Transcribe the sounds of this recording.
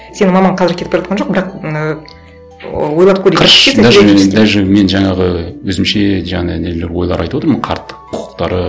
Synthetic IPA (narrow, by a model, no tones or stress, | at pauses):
se̞nɪmɑmɑɴqʰɑzɪɾkʲʰet̪peʒɑt̪̚qɑnʒo̞q̚bɪɾɑq | wo̞jlˠɑp̚kʰʲɵɾe̥ed̪æed̪ælʒeme̞nʒɑɴɑʁəwɵzɪmʃe̞ʒɑɴɑnæneleɾwo̞jlˠɑɾʔɑ̰jt̪uwo̞t̪ɾmənqʰɑ̰ɾt̪ːə̥qʰʊʊ̥qt̪ɑɾə